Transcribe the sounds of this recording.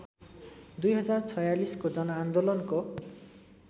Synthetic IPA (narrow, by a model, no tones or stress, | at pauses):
d̪ujɦʌzaɾt͡sʰɔjaliskod͡ʑɔnand̪olɔnko